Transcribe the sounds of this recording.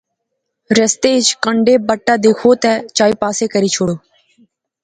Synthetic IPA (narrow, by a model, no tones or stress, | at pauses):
ɾəst̪eːt͡ʃkəɳɖeːbəʈːaːd̪eːkʰoːt̪ɛːt͡ʃaːiːpaːseːkəɾiːt͡ʃʰoːɽoː